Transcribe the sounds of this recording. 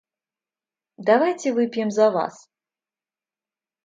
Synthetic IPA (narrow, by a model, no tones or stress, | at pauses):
d̪avajt͡sʲɪvɨpʲjɛmzɐva̰s